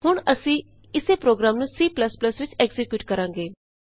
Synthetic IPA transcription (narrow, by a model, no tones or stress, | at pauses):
ɦʊɳ̃əsĩː | ɪseːpɾoːɡɾaːmnũːsiːpləspləsʋɪt͡ʃɛɡzɪkjuːʈkəɾãːŋɡeː